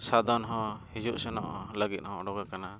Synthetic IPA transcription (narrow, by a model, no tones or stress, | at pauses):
sad̪ɔnɦɔ̃hid͡ʒuʔsɛnɔ̰ʔhɔləɡit̪̚ˀhɔ̃ɔɽɔɡakana